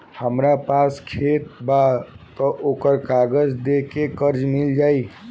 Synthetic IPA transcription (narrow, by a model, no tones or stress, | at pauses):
həmɾapaskʰet̪̚ba | t̪əʔokəɾkaɡəd͡ʒd̪ekekəɾd͡ʒmild͡ʒai